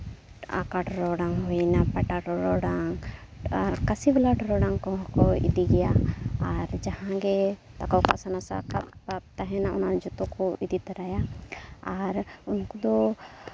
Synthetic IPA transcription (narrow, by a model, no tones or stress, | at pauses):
a̰kaʈɾɔɖaŋɦɔnapɛʈaʈɾɔɖaŋaɾkasiblaʈɾɔɽaŋkɔɦɔ̃kɔḭd̪iɡɛjaaɾd͡ʒahãɡɛt̪akɔkasanasa̰kap̚pap̚t̪aɦɛnaʔɔnad͡ʒɔt̪ɔkɔid̪it̪aɾajaː | ɾunkud̪ɔ